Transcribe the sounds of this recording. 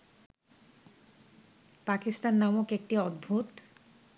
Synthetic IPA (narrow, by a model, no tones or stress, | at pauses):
pakist̪anːamokek̚ʈiɔd̪̚bʱut̪